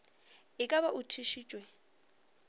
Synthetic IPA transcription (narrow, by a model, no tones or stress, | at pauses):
ɪkʼaβaʔutʰiʃiːt͡ʃʼwɛ